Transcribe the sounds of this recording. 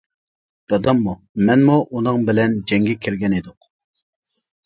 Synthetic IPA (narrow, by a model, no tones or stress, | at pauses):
d̪̥ɑd̪ɑmːu | mɛnmuʔunɨŋbɪlɛnd͡ʒɛŋɡʲɛkʲʰiɾɡʲɛnid̪ʊq